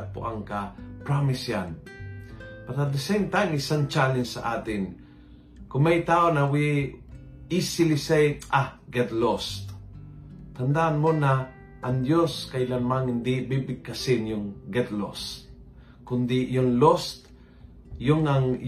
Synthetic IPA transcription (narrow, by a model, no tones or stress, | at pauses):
pʊ̰ʔaŋkapɾamɪsjan | paɾad̪ɪsɛnt̪aŋɪsaŋt͡ʃalɪnsa̰ʔaːt̪ɪn | kʊŋmajt̪aːonawi | isɪlɪsajahɡɛd̪lost̪ | t̪and̪aʔanmona | ʔːŋd̪joskajlamaŋɪnd̪ɪbibɪɡ̚kːasɪnjʊŋɡɛd̪lo̰st̪̚ | kʊnd̪ɪjʊŋlost̪ | jʊŋaŋ